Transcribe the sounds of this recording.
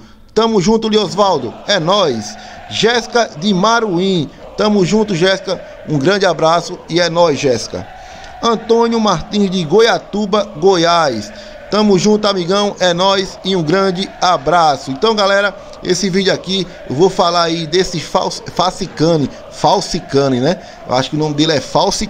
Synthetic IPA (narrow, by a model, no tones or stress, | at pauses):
ʃt̪ɐ̃mʊzʒũt̪ʊliozvawd̪ʊɛnɔjs | ʒɛskɐd̪ɪmaɾuĩ | ʃt̪ɐ̃mʊzʒũnt̪ʊʒɛskɐ | ũɡɾɐ̃nd̪ɪabɾasʊiɛnɔjzʒɛskɐ̰ | ɐ̃t̪õnjʊmaɾt̪ĩzd̪ɪɡojat̪ubɐɡojajs | ʃt̪ɐ̃mʊzʒũt̪ʊamiɡɐ̃w̃ʔɛnɔjsɪũɡɾɐ̃d͡ʒ̪ɪabɾasʊẽt̪ɐ̃w̃ɡalɛɾɐ | ḛsɪvid͡ʒ̪ʊaki | ewvowfalaɾaid̪esɪfa̰wsfasikɐ̃nɪ | fawsikɐ̃nɪnɛ | ḛwʔa̰ʃʊ̥kɪʊnõmɪd̪elɛfawsi